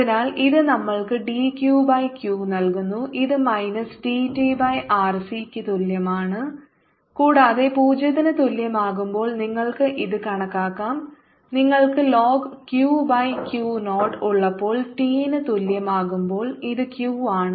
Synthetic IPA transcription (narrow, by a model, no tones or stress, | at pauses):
ɐinaːliðɨnɐmːɐɭkɨɖiːkjuːbɐjkjuːnɐlkunːuʔiðɨmɐjnɐsʈiːtibɐjʔaːrsikʲːɨt̪uljɐmaːɳɨ | kuːɽaːðe̞puːd͡ʑɐðinɨt̪uljɐmaːɣumbo̞ːɭniŋːɐɭkɨʔiðɨkɐɳɐkːaːkːaːm | niŋːɐɭkɨloːɡkjuːbɐjkjuːno̞ːʈuɭːɐpːo̞ːɭʈiːnɨt̪uljɐmaːɣumbo̞ːɭiðɨkjuːaːɳɨ